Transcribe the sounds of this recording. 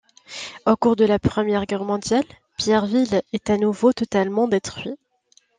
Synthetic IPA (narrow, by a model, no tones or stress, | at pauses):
okuʁd̪əlapχəmjɛʁɡʲɛʁmɔ̃d̪jal | pjɛʁvilɛt̪anuvot̪ɔt̪almɑ̃d̪et̪χɥi